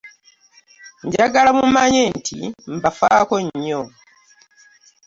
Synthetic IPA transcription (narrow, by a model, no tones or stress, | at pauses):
ɲɟaɡalamumaːɲeːntʰḭm̩bafa̰ːko̞ɲːo